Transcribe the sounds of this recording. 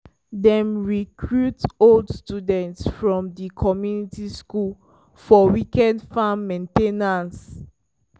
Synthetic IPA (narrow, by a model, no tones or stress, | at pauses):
dɛ̃mɹikʰɹutoldstudɛ̃ntsfɹɔ̃mdikʰɔmjunitiskul | fɔwikɛdfãmːẽntenãns